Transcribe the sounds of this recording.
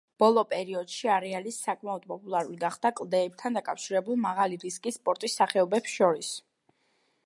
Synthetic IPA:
b̥ɔlˠɔpʼɛɾiɔd̪̥ʃiaɾɛalisːakʼmaɔd̪̚pʼɔpʼulˠaɾuliɡaχd̪akʼlˠd̪ɛːb̚t̪ʰand̪akʼafʃiɾɛbulˠmaʁaliɾiskʼisːpʼɔɾt̪ʼisːaχɛɔbɛpsʃɔɾis

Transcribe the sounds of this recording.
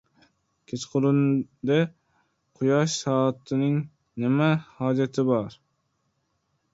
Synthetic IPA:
kʲʰet͡ʃqʰʊɾund̪ɛ | qʰʊjɑʃsɑt̪ʰɪnɪŋ | nɪmɛhɑːd͡ʒɛt̪ʰɪbɑɾ

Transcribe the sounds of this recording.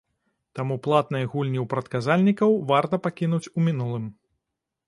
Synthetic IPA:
t̪amuplˠat̪nɨjɐɣulʲnʲiwpɾɐt̪̚kazalʲnʲikɐwvart̪ɐpakʲinut͡sʲumʲinulˠɨm

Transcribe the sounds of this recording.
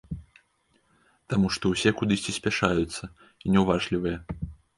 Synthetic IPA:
t̪amuʂt̪ɔwsʲɛkud̪ɨsʲt͡sʲisʲpʲaʂajut̪sːɐ | inʲɛwvaʐlʲivɨjɛ

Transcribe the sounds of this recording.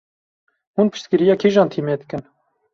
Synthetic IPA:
hunpʰɨ̥ʃt̪kɨɾijɑːkʰiʒɑːnt̪ʰiːmeːd̪ɨkɨn

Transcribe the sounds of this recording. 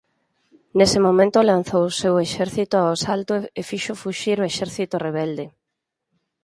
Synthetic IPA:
nesemomẽnt̪olan̟θowseweʃɛɾθit̪oaosalt̪oefiʃofuʃiɾoeʃɛɾθit̪oreβɛld̪e

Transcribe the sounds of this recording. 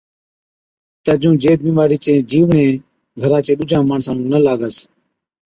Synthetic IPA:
t̪əd͡ʒũːd͡ʒeːbĩːmaːɾiːt͡ʃẽːd͡ʒiːʋɳẽː | ɡʱəɾãːt͡ʃeːɗʊd͡ʒʱãːmaːɳsãːnũːnəlaːɡəs

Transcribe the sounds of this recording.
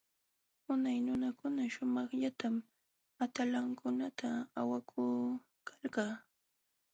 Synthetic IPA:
ʊnajnʊnakʊnaʃʊmɑχʎat̪am | at̪alaŋkʰʊnat̪ʰaawakʰuː | kʰḁlkaː

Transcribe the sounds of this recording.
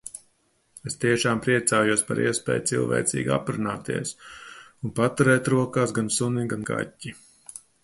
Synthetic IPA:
est̪iɛʃaːmpɾiɛt̪saːjuɔspaɾḭɛspɛ̰ːjt̪silˠvɛ̰ːt̪sḭːɡa̰pɾunaːt̪ḭɛsunpat̪uɾɛːt̪ɾuɔkaːsɡansuniɡanka̰tʲːi

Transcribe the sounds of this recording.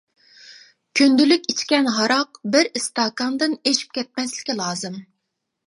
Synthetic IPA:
kʲʰynd̪ylykʲit͡ʃkʲɛnɦɑɾɑqbɪɾist̪ɑkɑnd̪ɨneʃi̥p̚kʲʰɛt̪̚mɛslɪkʲilˠɑːzɨm

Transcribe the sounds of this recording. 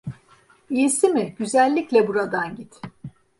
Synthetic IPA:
ijisimɪɟyzælʲːiclʲɛbuɾad̪anɟit̪

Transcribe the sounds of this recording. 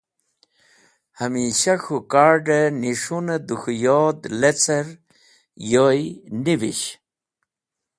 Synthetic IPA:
hamiːɕaxukaːɾɖəniʂunəd̪uxujoːd̪let͡səɾ | jojnivḭɕ

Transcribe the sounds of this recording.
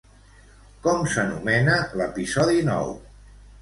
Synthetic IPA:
kɔmsənumɛnələpizɔðinɔ̰w

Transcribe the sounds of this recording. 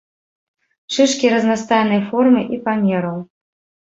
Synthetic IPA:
t͡ʂɨʂkʲiɾɐznast̪ajnɐjfɔrmɨʔipamʲɛɾɐw

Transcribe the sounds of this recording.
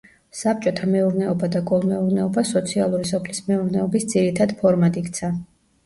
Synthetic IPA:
sap̚t͡ʃʼɔt̪ʰamɛuɾnɛɔbad̪akʼɔlˠmɛuɾnɛɔbasɔt̪sʰialˠuɾisɔpʰlismɛuɾnɛɔbisd̪z̥iɾit̪ʰad̪pʰɔɾmad̪ikʰt̪sʰa

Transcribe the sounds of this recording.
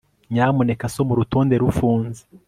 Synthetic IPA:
ɲaːmune̞kasomuɾutoːnde̞ɾufuːnze

